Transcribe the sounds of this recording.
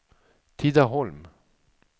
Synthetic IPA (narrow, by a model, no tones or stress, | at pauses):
t̪ʰid̪aɦɔlm